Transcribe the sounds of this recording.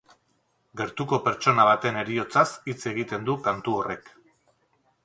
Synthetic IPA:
ɡe̞ɾt̪uko̞pe̞ɾt͡ʃo̞naβ̞at̪e̞ne̞ɾio̞t͡sasit͡se̞ɣ̞it̪e̞nd̪ukant̪uo̞re̞k

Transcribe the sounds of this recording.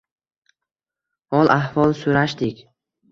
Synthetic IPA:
hɒlˠʔahvɒlˠsʊɾaʃd̪ɪkʲ

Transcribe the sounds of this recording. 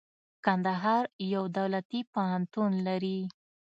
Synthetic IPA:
kand̪aɦɑɾjawd̪awlat̪ipaɦant̪unlaɾi

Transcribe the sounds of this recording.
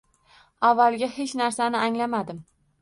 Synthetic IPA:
avːalˠɡʲahe̞t͡ʃnaɾsanɪaŋlamad̪ɪm

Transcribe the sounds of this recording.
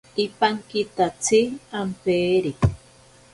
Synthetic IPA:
ipaŋkit̪at͡sʰiampeːɾi

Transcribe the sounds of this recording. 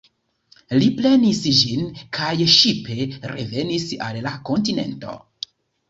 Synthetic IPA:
liple̞nisd͡ʒinkʰajʃipʰe̞ɾe̞ve̞nisa̰lːako̞ntine̞̰nto̞̰

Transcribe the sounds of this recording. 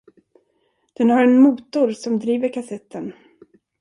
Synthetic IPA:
d̪̥ɛnhaɾɛnmuːt̪ʊɾsɔmd̪ɾiːvəɾkʰasɛt̪ːən

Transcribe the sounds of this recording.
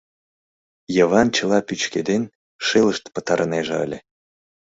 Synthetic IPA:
jɤ̆βɑnt͡ɕə̆lˠɑpyt͡ɕked̪en | ʃeləʃt̪pə̆t̪ɑɾʔɤneʒeə̰lʲe

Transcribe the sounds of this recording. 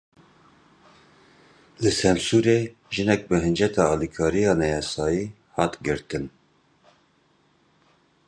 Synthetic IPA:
lɨsɛnsuːɾeː | ʒɨnɛk̚bɨɦɨnd͡ʒɛt̪ʰɑɑːlikʰɑːɾijɑːnɛjɑsɑːjiː | hɑːt̪ɡɨɾt̪ɨn

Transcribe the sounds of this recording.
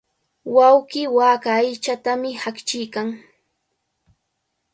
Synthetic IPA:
wawkiːwaːkaːjt͡ʃat̪amɪhakt͡ʃɪjkaŋ

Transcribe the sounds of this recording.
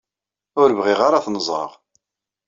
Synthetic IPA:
ʊɾəvʁɪʁaɾaθnəzˤɾə̰ʁ

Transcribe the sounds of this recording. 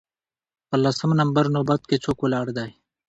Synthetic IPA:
pɐlɐsɐmnɐmbəɾnoːbɐt̪̚ket͡sʰoːkolaːɽd̪aːj

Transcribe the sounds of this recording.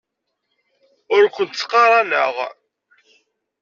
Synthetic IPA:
ʊɾkʷːənt̪t͡sːqːɑɾˤɑnə̰ʁ

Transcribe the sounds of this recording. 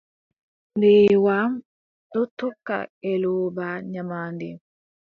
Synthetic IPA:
ndewam | dot̪ːukːa̰ɛloːbaɲamandɛ

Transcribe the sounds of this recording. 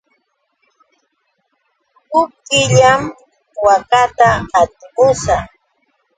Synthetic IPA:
hʊp̚kɪʎam | wakat̪aːt̪ɪkʊsa

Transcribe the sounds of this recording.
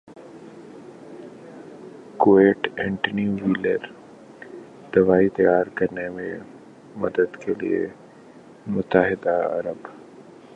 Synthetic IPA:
koeːʈɛ̃ːɳʈəniuʋiləɾ | d̪̥ɐʋaːit̪ɐjaːɾkɐɾnemẽ | mɐd̪əd̪kelḭḛ | mʊt̪ːəɦɪd̪aɐ̰ɾəb

